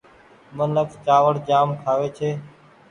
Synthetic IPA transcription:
mənləkt͡ʃaːʋəɽd͡ʒaːmkʰaːʋeːt͡ʃʰeː

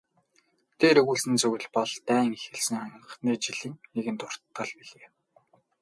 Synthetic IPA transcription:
t̪ʰeːɾɵɣuːɮsɘ̆nt͡sɵɣɘ̆ɮpɔɮt̪æːŋexɘ̆ɮsɘ̆ŋam̆ə̆χniːt͡ɕiɮĭŋeɣɘ̆nt̪ʊr̥t̪ːɢə̆ɮpiɮeː

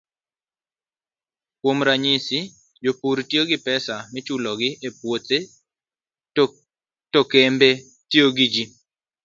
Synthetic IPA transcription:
kwomɾaɲɪsi | d͡ʒopuɾtjoɡɪpɛsamɪt͡ʃulɔɡɪʔepwote | tokembe | tioɡid͡ʒi

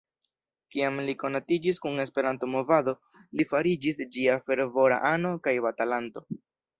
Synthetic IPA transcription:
kiamliko̞natid͡ʒiskune̞s̬pe̞ɾanto̞mo̞vado̞ | lifaɾid͡ʒisd͡ʒiafe̞ɾvo̞ɾa̰ʔano̞kajbatalanto̞

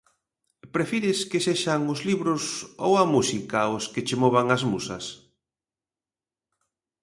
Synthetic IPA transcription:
pɾefiɾɪskeseʃaŋʊzliβɾʊsowɐmusikaʊsket͡ʃemɔβ̞aŋazmusɐ̰s

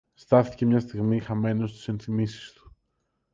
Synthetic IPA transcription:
st̪ɐθice̞mɲɐst̪iɣmixɐme̞nost̪u̥se̞nθimisi̥st̪u̥

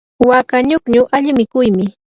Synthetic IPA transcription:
wakaɲokɲʊʔaʎɪmɪkʊjmɪ

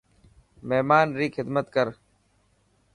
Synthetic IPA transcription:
meɦmaːnɾiːkʰɪd̪mət̪kəɾ

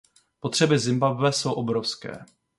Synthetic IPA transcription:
po̞t̪r̥ɛbɪzɪmbabvɛso̞wʔo̞bɾofskɛ̰ː

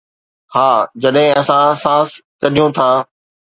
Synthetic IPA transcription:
haːd͡ʑɐɗɦɪ̃ɐsãsaːskɐɾijõt̪ʰaː

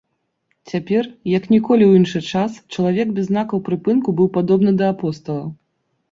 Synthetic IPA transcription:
t͡sʲapʲɛrjɐknʲikɔlʲiwinʂɨt͡ʂast͡ʂɐlˠavʲɛɡbʲɛzːnakɐwpɾɨpɨnkubɨwpad̪ɔbnɨd̪ɐːpɔst̪ɐlˠɐ̰

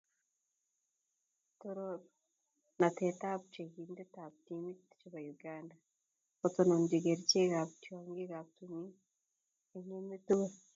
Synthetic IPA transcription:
toɾo | natetaβut͡ʃekiːndetaβutimiti̥t͡ʃiβajuɡaːnda | ot͡sononɟiɡeɾiceɣaβutaːŋɡeɣaβutumi | eɲemetuβe

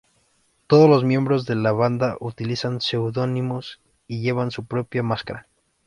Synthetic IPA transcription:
t̪oð̞ozlo̞zmje̞mbɾo̞zðe̞laβand̪aʔut̪ilisanse̞wðo̞nimos | iʝe̞β̞ansupɾo̞pjamaskaɾa

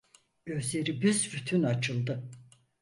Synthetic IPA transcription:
ɟø̞zlʲe̞ɾibyzɾyt̪ʰynat͡ʃʰɯlˠd̪ɯ

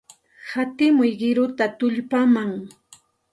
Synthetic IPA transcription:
hat̪ɪmʊjɢɪɾʊt̪at̪ʊʎpamaŋ

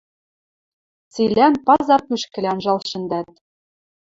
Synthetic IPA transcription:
t͡silʲænpɑzɑrpyʃkɘ̆lʲɑnʒɑlˠɕɘ̆nd̪æt̪

